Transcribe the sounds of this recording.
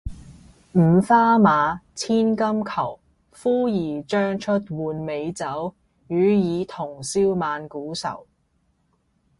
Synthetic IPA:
m̩˨˩faː˥maː˨˧t͡sʰiː˥nkɐ˥mkʰɐ˨˩w | fuː˥jiː˨˩t͡ʃœː˥ŋt͡ʃʰɵ˥t̚wuː˨nme˨˧jt͡sɐ˨˥w | jyː˨˧jiː˨˧t̪ʰʊ˨˩ŋsiː˥wmaː˨˧nkuː˨˥sɐ̰˨˩w

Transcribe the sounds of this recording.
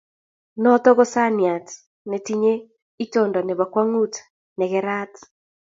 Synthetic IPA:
nɔ˦tɔ˦ɣɔ˦sa˦nja˨t | nɛ˨ti˦ɲe˦ | i˦tɔndɔ˨nɛ˨βa˨kwa˦ŋu˦t | nɛ˨ɣɛ˦ɾa˦t

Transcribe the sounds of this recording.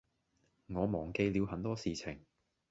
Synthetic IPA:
ŋɔː˨˧mɔː˨˩ŋke˧jliː˨˧wɦɐ˨˥nt̪ɔː˥siː˨t͡sʰɪ˨˩ŋ

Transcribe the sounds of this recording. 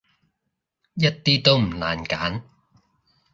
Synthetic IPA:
jɐ˥t̚t̪iː˥t̪o˥wm̩˨˩la̰ː˨˩nkaː˨˥n

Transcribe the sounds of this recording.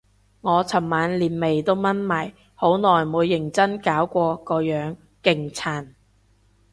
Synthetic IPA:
ŋɔː˨˧t͡sʰɐ˨˩mːaː˨˧nliː˨˩nme˨˩jt̪o˥wmɐ˥nmaː˨˩j | ho˨˥wnɔː˨˩jmuː˨˧jːɪ˨˩ŋt͡sɐ˥nkaː˨˥wkʷɔː˧kɔː˧jœː˨˥ŋ | kɪ˨ŋt͡sʰaː˨˩n

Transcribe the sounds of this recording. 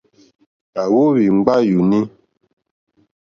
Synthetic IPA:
a˨wo˦βi˨ŋ͡mɡ͡ba˦ju˨ni˦

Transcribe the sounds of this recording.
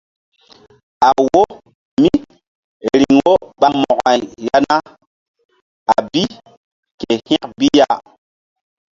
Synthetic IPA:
a˨wo˦ | mi˦ | ɾi˨ŋwo˦ɓa˨mɔ˨ʔa˨jja˦na˦ | a˨bi˦ | ke˨hĩ˦kbi˦ja˦˨

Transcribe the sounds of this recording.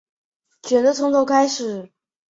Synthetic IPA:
t͡ɕʰɥɛ˨˩nd̪ə˧t͡sʰʊ˧˥ŋt̪o˥˧ʊkʰa˥ɪʂɻ̩˨˩˦

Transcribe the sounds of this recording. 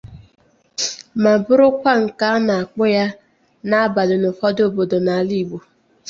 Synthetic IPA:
ma˨bʊ˦ɾʊ˦kʷa˦ŋ̩˨ka˦na˨a˨k͡pʊ˦ja˦ | na˦a˦ba˨lʊ˨nʊ˨fɔ˦do˦˨bo˨do˨na˨a˨li˦˨ɡ͡bo˨

